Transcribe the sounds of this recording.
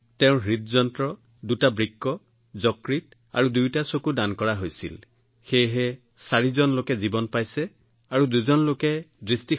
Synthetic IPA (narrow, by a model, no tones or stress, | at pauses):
tɛʊ̃ɦitzɔntɹɔ | dutabɹikːɔ | zɔkɹit̚ | a̰ɹudujtasokudankɔɹaɦojsḭl | xejɦɛ | saɹizɔnlokɛzibɔnpajsɛ | aɹuduzɔnlokɛdɹisti